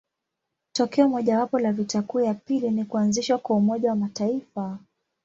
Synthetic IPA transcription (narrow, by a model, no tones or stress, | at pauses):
tɔkɛɔmɔʄawapɔlavitakujapilinikuanziʃwakwaumɔʄawamataifa